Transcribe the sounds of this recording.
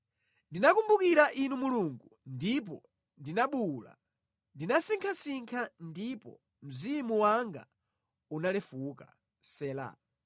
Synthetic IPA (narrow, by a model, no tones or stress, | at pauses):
ndinakumbukiɾaʔinumuluŋɡundip̬ɔ | ndinaɓula̰ | ndinasiŋkʰasiŋkʰandipɔ̰ | m̩zimuwaŋɡa̰ | unalɛfukḁ̰ | sɛːla̰